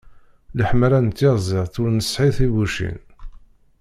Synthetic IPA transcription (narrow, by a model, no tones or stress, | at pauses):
ləħmɾænt̪ːɪʁzˤɪʁθʊɾnəsħiθivuʃḭn